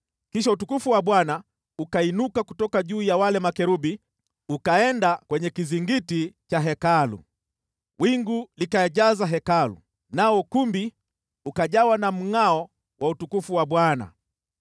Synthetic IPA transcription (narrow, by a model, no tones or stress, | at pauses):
kiʃ̬autukufuwaɓwana | ukainukakutɔkaʄuːjawalɛmakɛɾuɓi | ukaɛndakwɛɲɛkiziŋɡitit͡ʃaɦɛkalṵ | wiŋɡulikaɛʄazaɦɛkalṵ | naɔkumbi | ukaʄawanam̩ŋaɔ | wʔautukufuwaɓwana̰